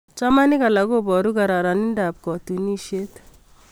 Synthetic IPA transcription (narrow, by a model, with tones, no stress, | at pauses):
t͡ʃa˦ma˦ni˦ka˨la˨ko˦bɔ˨ɾu˦ka˨ɾa˨ɾa˨ni˦nda˨p̚kɔ˨t̪u˨ni˦ʃe˦t̪